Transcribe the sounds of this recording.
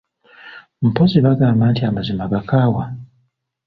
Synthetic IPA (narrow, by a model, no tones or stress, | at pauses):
m̩poziβaɡaːmbaːntiamazimaɡakaːwa